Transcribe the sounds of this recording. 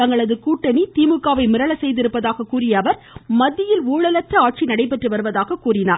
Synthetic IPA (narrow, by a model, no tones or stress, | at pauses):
t̪ɐŋɡɐɭɐðɯkuːʈːɐnit̪iːmɯkːaːʋɐɪmɪɾɐɭɐsɛjðɪɾɯpːɐðaːɣɐkuːrɪjɐːʋɐɾ | mɐðːɪjɪluːɭɐlɐtrɐaːʈ̚t͡ʃinɐɽɐɪp̬ːɛʈrɯʋɐɾɯʋɐðaːɣɐkuːrɪnaːɾ